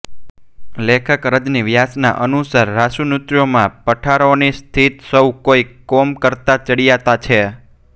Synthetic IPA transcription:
lekʰəkɾəd͡ʒniʋjasna̰ʔənusaɾːasunut̪ɾjomãpəʈʰaɾonist̪ʰit̪səwkoikomkəɾt̪at͡ʃəɽijat̪at͡ʃʰe

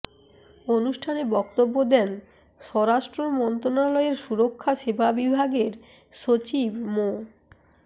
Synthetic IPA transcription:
onuʃʈʰanebɔkt̪obːod̪ɛn | ʃɔɾaʃʈɾomɔnt̪ɾonalɔeɾʃuɾokʰːaʃebʱabibʱaɡeɾ | ʃot͡ɕibmo

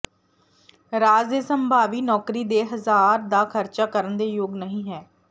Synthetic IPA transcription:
ɾaːzesəmbʱaːʋiːnɔːkɾiːd̪eːɦəzaːɾd̪aːkʰəɾt͡ʃaːkəɾənd̪eːjoːɡnəɦĩːɦɛː

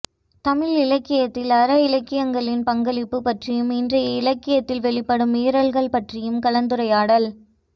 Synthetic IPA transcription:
t̪ɐmɪlɪlɐkːɪjɐt̪ːɪlɐɾɐɪlɐkːɪjɐŋɡɐɭɪnpɐŋɡɐɭɪpːɯpɐʈrɪjɯmɪndrɐjɐɪlɐkːɪjɐt̪ːɪlʋɛɭɪpːɐɽɯmeːɾɐɭɣɐɭpɐʈrɪjɯmkɐlɐnd̪ɯɾɐjaːɽɐl

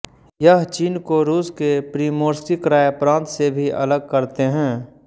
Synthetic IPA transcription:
jəɦt͡ʃiːnkoɾuːskepɾiːmoːɾsikɾaːjəpɾãːnt̪sebʱiʔɐ̰ləɡ̚kəɾt̪eɦɛ̃ː

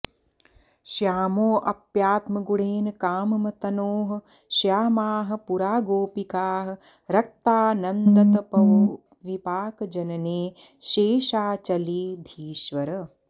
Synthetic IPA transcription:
ʃjaːmoːʔɐpjaːt̪mɐɡuɽeːnɐkaːmɐmɐt̪ɐnoːɦɐ̆ | ʃjaːmaːɦɐ̆puɾaːɡoːpikaːɦɐ̆ | ɾɐk̚t̪aːnɐnd̪ɐt̪ɐpɐ | ʋipaːkɐd͡ʒɐnɐneː | ʃeːʃaːt͡ʃɐliːd̪ʱiːʃʋɐɾɐ

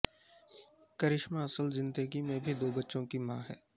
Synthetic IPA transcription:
kɐɾɪʃmãɐsəlzɪ̃nd̪əɡimẽbʱid̪oːbɐtːʃõkimãːɦɛ̰ː

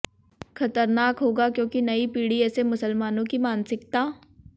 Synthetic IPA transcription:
xɐt̪əɾnaːkɦoːɡakjõːkinɐipiːɽiɛːsemʊsəlmaːnõkimaːnsɪkt̪aː

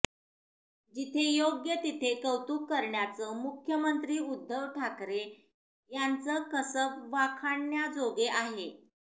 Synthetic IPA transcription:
d͡ʑit̪ʰejoɡjət̪it̪ʰekəwt̪uːkːəɾɳjat͡səmukʰjəmənt̪ɾiːud̪ʱːəʋʈʰakɾe | jant͡səkəsəbʋakʰaɳːjad͡zoɡeʔaɦe

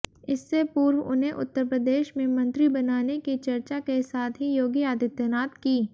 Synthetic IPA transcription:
ɪsːepuːɾwʊ̰nɦẽʔʊ̰t̪ːəɾpɾəd̪eːʃmẽmɐ̃nt̪ɾibɐnaːnekit͡ʃɐɾt͡ʃakesaːt̪ɦijoːɡijaːd̪ɪt̪naːt̪kiː

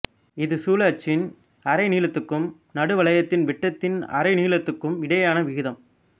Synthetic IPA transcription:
ɪðɯsuːlɐːt͡ʃːɪn | ɐɾɐɪniːlɐt̪ːɯkːɯm | nɐɽɯʋɐɭɐjɐt̪ːɪnʋɪʈːɐt̪ːɪnɐ̰ɾɐɪniːɭɐt̪ːɯkːɯmɪɽɐjaːnɐʋɪɣɪðɐm

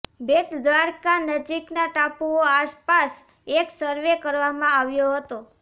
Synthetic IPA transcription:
beʈd̪ʋaɾkanəd͡ʒiknaʈapuoaspas | eksəɾʋekəɾʋamãaʋjoɦət̪o

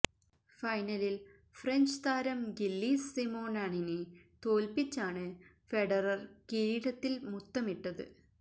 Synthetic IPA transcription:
fɐjnɐlil | freɲd͡ʑt̪aːɾɐmɡilːiːsːimoːnaːɳinɨt̪o̞ːlpit͡ɕːaːɳɨ | fe̞ɖɐrɐrkiɾiːɽɐt̪ːilmut̪ːɐmiʈːɐðɨ̰

